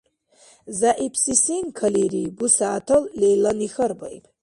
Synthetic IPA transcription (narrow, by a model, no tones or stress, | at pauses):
zaʔipʰsisinkʰɐliɾibusaːtʰɐllejlɐnixɐrbɐ̰j̰pʰʼ